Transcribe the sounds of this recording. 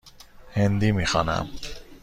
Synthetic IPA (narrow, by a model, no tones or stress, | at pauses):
hend̪imixɑna̰m